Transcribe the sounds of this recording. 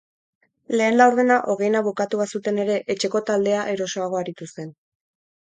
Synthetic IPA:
le̞ːnd̪awɾðenaʔo̞ɣe̞jnaβukat̪uβasut̪e̞ne̞ɾe̞ʔet͡ʃe̞ko̞t̪ald̪e̞aʔe̞ɾo̞so̞aɣ̞o̞aɾit̪ust̪e̞n

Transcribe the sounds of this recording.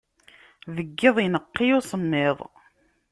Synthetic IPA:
ðəɡːɪðˤjnəqːiʊsˤəmːɪðˤ

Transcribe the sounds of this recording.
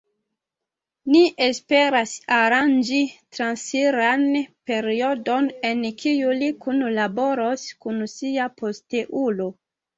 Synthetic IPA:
niʔespe̞ɾasaɾand͡ʒitɾansiɾanpe̞ɾio̞do̞ne̞nkʰijulikunlabo̞ɾoskunsiapo̞steʔulo̞

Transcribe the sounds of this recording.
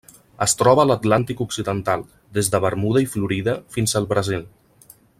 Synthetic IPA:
əst̪ɾɔβəːlət̪lant̪ikuksiðənt̪alˠ | d̪ezðəβəɾmuðəifluɾiðəfinzəlˠβɾəzilˠ

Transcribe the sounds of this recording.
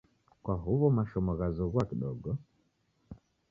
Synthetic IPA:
kwaɦuβɔmaʃɔmɔɣazɔɣwakiɗɔɡɔ

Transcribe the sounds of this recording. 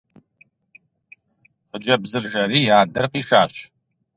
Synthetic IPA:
qəd͡ʒɐbzɨrʒɐɾiːjaːdɐrqiːʂaːɕ

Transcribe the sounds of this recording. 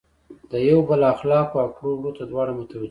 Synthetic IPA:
d̪əjawbəlaxlɑkoakɽoɽot̪ad̪wɑɽamʊt̪awa

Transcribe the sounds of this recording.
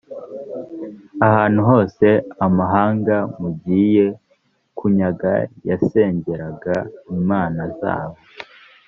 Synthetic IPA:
ahaːn̥huɦo̞ːse̞amaɦaːŋɡamubɟije̞ | kuɲaɡa̰jase̞ːɲɟe̞ɾaɡaimaːnaza̰ːβo

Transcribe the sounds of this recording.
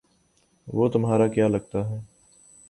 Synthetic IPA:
ʋoːt̪ʊmɦaːɾakjaːlɐɡ̚t̪aɦɛː

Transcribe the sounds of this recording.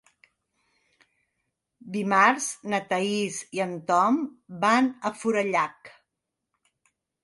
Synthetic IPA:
d̪imaɾznət̪əiziənt̪ɔmbanəfuɾəʎak

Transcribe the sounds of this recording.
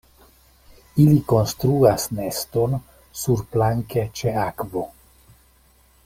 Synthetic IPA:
iliko̞nst̪ɾuasne̞sto̞n | suɾplaŋke̞t͡ʃe̞akvo̞

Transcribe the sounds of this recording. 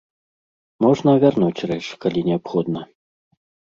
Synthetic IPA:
mɔʐnɐvʲarnut͡sʲrɛt͡ʂkalʲinʲɛapxɔd̪nɐ

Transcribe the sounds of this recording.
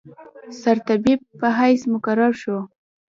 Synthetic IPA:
saɾt̪abib̚ːəɦajsmʊkaɾɑɾʃo

